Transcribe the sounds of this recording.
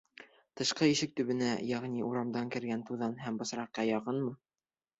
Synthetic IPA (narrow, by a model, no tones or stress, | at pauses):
t̪ɤ̆ʃqɤiʃɘk̚t̪ɵ̆βɘ̆næjæʁniʔuɾɑmd̪ɑŋkɘ̆ɾɡænt̪uðɑnɦæmbɤ̆sɾɑqːɑjɑqɤnmɤ